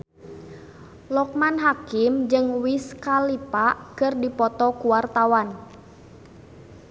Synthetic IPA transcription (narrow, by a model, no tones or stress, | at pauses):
lɔk̚manɦakɪmd͡ʒɨŋwiskalipaʔkɨrdipɔt̪ɔkuwart̪awan